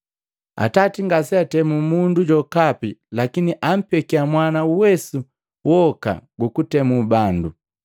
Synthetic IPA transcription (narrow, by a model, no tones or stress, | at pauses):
a̰tatiŋɡasiatɛmumunduɟɔkapilakiniʔam̩pɛkiamwanauwɛsu | wɔka̰ɡukutɛmubandu